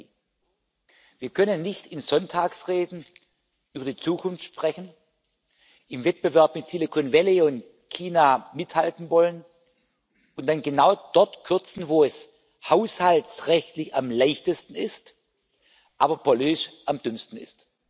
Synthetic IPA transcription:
viːɐkʰœnənːɪçtɪnz̥ɔntʰaːksʁeːdn̩ | ʔyːbɐdiːt͡suːkʰʊnftʃpʁ̥ɛçn̩ | ʔɪmvɛt̚b̥əvɛɐpmɪtsilekʰonvɛleʊnt | kʰiːnaːmɪthaltn̩vɔlən | ʔʊntd̥anɡənaʊd̥ɔɐtkʰʏɐt͡sn̩voːɛs | haʊshaltsʁɛçtlɪçamlaɪçtəstn̩ɪst | ʔaːbɐpʰoliːʃʔamd̥ʏmstn̩ɪ̰st

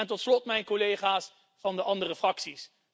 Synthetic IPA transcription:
ɛntɔtslɔtmɛjnkolejχaːs | fɑndəʔɑndərəfrɑksis

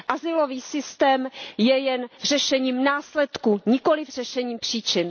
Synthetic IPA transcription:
ʔazɪloviːsɪst̪ɛːmjɛjɛnr̝ɛʃɛɲiːmnaːslɛt̪kuɲɪkolɪfr̝̥ɛʃɛɲiːmpr̥iːt͡ʃɪn

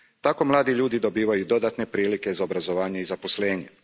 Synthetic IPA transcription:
t̪ako̞mlˠaːd̪iʎuːd̪id̪o̞biːʋajud̪o̞d̪at̪ne̞pɾiːlikezaobɾazo̞ʋaːɲeizaposleːɲe

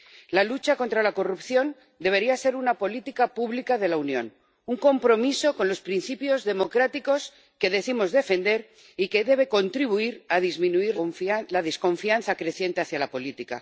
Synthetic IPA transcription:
lalut͡ʃako̞nt̪ɾalako̞rupθjo̞n | d̪e̞β̞e̞ɾiase̞ɾunapo̞lit̪ikapuβlikaðe̞launjõ̞̰n | uŋko̞mpɾo̞miso̞ko̞nlo̞spɾinθipjo̞zðe̞mo̞kɾat̪iko̞s | ke̞ðe̞θimo̞zðe̞fe̞nd̪e̞ɾ | ike̞ðe̞β̞e̞ko̞nt̪ɾiβ̞uiɾaðizmĩnuiɾflaðesko̞ɱfianθakɾe̞θje̞nt̪e̞aθjalapo̞lit̪ika̰

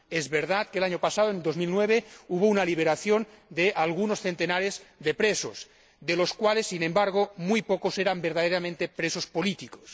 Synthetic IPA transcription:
ezβeɾð̞at̪kelaɲopasaðoenld̪ozmilnweβ̞euβ̞ounaliβeɾaθjond̪eʔalɣ̞unosθent̪enaɾezðepɾesos | ðeloskwalesːinẽmbaɾɣ̞omujpokoseɾambeɾðaðeɾamẽnt̪epɾesospolit̪iko̥s

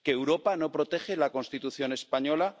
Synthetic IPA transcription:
keːwɾo̞pano̞pɾo̞t̪e̞xe̞lako̞nst̪it̪uθjo̞ne̞spaɲo̞la

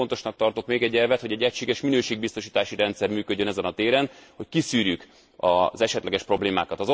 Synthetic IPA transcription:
ont̪o̞ʃnɒk̚t̪ɒrt̪okmeːɡɛɟːɛlvɛt̪ho̞ɟɛɟːɛcʃeːɡɛʃminøːʃeːɡ̚bist̪o̞ʃiːt̪aːʃiɾɛnt̪sɛrmyːkøɟːø̞nɛzɛnɒt̪eːɾɛnho̞ckisyːɾjyk | ɒzɛʃɛt̪lɛɡɛʃpro̞bleːma̰ːkɒt̪ɒzo

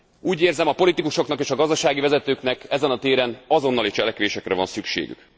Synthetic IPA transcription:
uːɟeːrzɛmɒpo̞lit̪ikuʃo̞knɒkeːʃɒɡɒzd̪ɒʃaːɡivɛzɛt̪øːknɛkɛzɛnɒt̪eːɾɛnɒzo̞nːɒlit͡ʃɛlɛkʋeːʃɛkrɛvɒnsykʃḛːɡy̰k

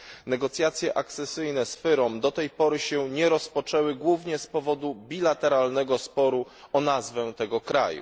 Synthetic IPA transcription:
nɛɡɔt̪sʲjat̪sʲjɛʔak̚t̪sɛsɘjnɛsfɘɾɔmd̪ɔt̪ɛjpɔɾɘɕɛɲɛɾɔspɔt͡ʂɛwɘɡwuvɲɛspɔvɔd̪ubʲilat̪ɛɾalnɛɡɔspɔɾu | ɔnazvɛt̪ɛɡɔkɾa̰jṵ

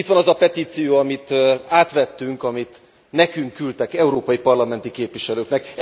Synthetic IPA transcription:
it̪ʋɒnɒzɒpɛt̪iːt̪sijoːɒmit̪aːt̪ʋɛt̪ːyŋkɒmit̪ | nɛkyŋkːylt̪ɛkɛuɾoːpɒjipɒrlɒmɛnt̪ikeːpʋiʃɛløːknɛk

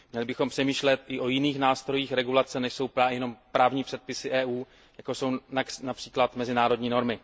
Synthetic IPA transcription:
mɲɛlɪbɪxo̞mpr̥ɛmiːʃlɛt̪ʔɪʔojɪniːxnaːst̪ɾo̞jiːxɾɛɡulat͡sɛnɛʃso̞wpajɛno̞mpɾaːvɲiːpr̥ɛt̪̚pɪsɪʔɛːʔuː | jakoso̞wnaknapr̥iːklat̪mɛzɪnaːɾo̞dɲiːno̞ɾmɪ

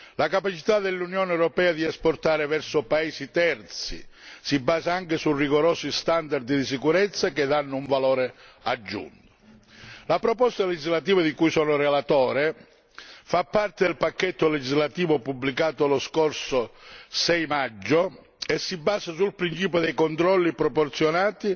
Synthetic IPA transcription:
lakapat͡ʃit̪ad̪elːunjɔːneɛwɾɔpɛːad̪iɛsport̪aːɾɪvɛrsʊpaeːsit̪ɛrt̪sḭsibːaːzaaŋkɪsuriɣoɾɔːsist̪and̪aɾd̪d̪is̬ikuɾɛt̪sːaked̪anːʊuɱvalɔːɾead͡ʒːṵnt̪ʊ̥ | lapɾɔpɔst̪aled͡ʒizlat̪iːvad̪ikujsɔːnʊrelat̪ɔːɾɪ | fapːart̪ed̪elpakːɛt̪ːoled͡ʒizlat̪iːvopubːlikaːt̪oloskɔrsosɛjmad͡ʒːo | esːibːaːzasulpɾint͡ʃiːp̬jod̪ejkont̪ɾɔlːipɾɔport̪sjonaːt̪i

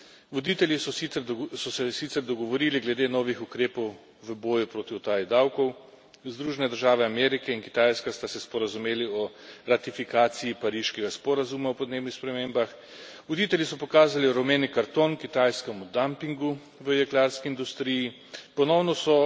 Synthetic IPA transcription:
ʋɔd̪it̪ɛljisɔiɛsɔsɛsit̪sɛɾd̪ɔɡɔʋɔɾiːliɡlɛd̪enɔːʋixukɾeːpɔw | ʋəbɔːjupɾoːt̪iɔt̪aːjid̪awkɔw | zd̪ɾuːʒɛnɛd̪əɾʒaːʋɛamɛɾikɛinki̥t̪ajskast̪asɛspɔɾazumeːliɔɾat̪ifikaːt̪sijipaɾiʃkɛɡaspɔɾazumaupɔd̪neːbnixspɾɛmembax | ʋɔd̪iːt̪ɛlʲjisɔpɔkaːzaliɾɔmeːnikaɾt̪onkit̪ajskɛmud̪ampiŋɡu | ʋəjɛklaɾskiːnd̪ust̪ɾiji | pɔnɔwnɔsɔ

